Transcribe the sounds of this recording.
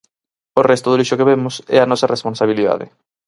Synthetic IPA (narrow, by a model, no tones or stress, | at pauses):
orɛst̪ʊðoliʃʊkeβemʊsɛ̰ɐnɔsɐresponsaβ̞iliða̰ðɪ̰